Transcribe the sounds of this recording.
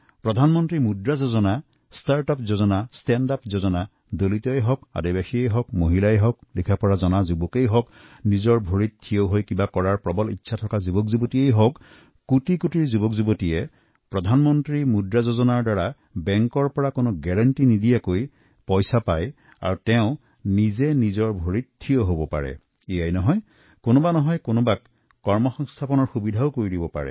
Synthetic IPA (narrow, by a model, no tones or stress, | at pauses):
pɹɔdʱanmɔntɹimudɹazozɔna | staɹtɔpzozɔnastɛndapzozɔna | d̪olit̪ɔjɦɔka̰dibaxiejɦɔkmoɦilajɛɦɔk̚likʰapɔɹazɔnazubɔkejɦɔknizɔɹbʱoɹit̪̚kʰːijowɦojkibakɔɹaɹpɹɔbɔlḭtːsʰatʰɔkazubɔk̚zubɔtiejɦɔkː | utikutiɹzubɔkzubɔtijɛ | pɹɔdʱanmɔntɹimudɹazozɔnaɹdaɹa | bɛŋkɔɹpɔɹakonʊɡɛɹantinidijakoj | pɔjsapaj | a̰ɹutɛʊ̃ | nizɛnizɔɹbʱoɹittʰːijɔɦobɔpa̰ɹɛ̰ | ejajnɔɦɔj | konʊbanɔɦɔjkonʊbakː | ɔɹmɔxɔŋstʰapɔnɔɹxubidʱaʊkoɹidibɔpa̰ɹɛ̰